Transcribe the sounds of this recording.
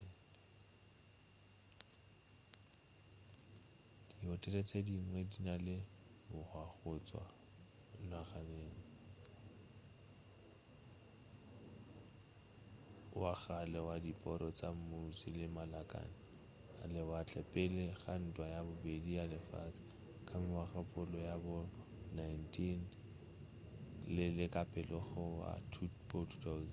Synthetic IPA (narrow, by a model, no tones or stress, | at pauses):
d̥iɔtʼɛlet͡sʰʼediŋ̩ŋwedinalɪbʊhwaɣʊt͡sʼwa̰ | naχaneːŋ̩ | waɣalɛwadipʼɔɾɔt͡sʼam̩mosilɪmalakʼa̰nɪ | alɪwat͡ɬɛpʼɪleɣan̩tʼwajabʊbedialɪfa̰t͡sḁ | kʰʼamɪwaχapʼʊlɔjabʊ | najntʰin | lɪlɪkʼapʼɛlɔɣɔwa̰tʰfɔtʰu̥tʰauz